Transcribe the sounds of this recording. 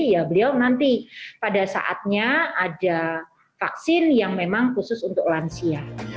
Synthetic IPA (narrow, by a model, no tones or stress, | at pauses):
jabəliawnant̪ipadasa̰ʔa̰t̪̚ɲaada | faksɪnjaŋmemaŋkusʊsunt̪ʊklansia